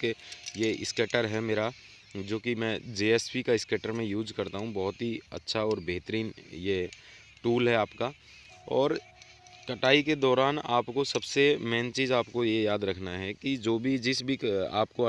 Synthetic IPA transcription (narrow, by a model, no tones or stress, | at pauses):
kejeɪ̰skeːʈəɾɦɛmeːɾa | d͡ʒoːkimɛ̃ːd͡ʒeːɛspikaɪskeːʈəɾmẽjuːzkɐɾt̪aɦũbɐɦʊt̪ɦiɐ̰tːʃʰaɔːɾbeːt̪əɾiːnje | ʈuːlɦɛaːpka | ɔːɾ | kɐʈaːiked̪ɔːɾaːnaːpkosɐbsemɛːnt͡ʃiːzaːpkojejaːd̪ɾɐkʰnaɦɛkid͡ʒoːbʱid͡ʒɪsbʱia̰ːp̚ko